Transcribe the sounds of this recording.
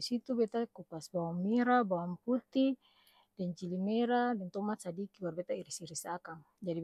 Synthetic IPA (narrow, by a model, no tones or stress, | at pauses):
sit̪ubɛt̪akupasbawamːiɾabawamput̪i | dɛnt͡ʃilimɛɾadɛnt̪ɔmat̪sadikiwarbɛt̪aiɾisiɾisakaŋ | d͡ʒadi